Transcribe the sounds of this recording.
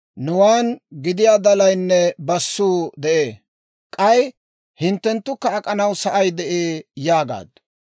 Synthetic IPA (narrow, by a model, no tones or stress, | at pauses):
nʊwaːnɡɪd̪ɪjaːd̪ɐlɐjnːɛbɐsːuːd̪ɛʔeː | kʼɐj | hɪnt̪ːɛnt̪ːʊkːɐːkʼɐnɐwsɐʔɐjd̪ɛʔeːjaːɡa̰ːd̪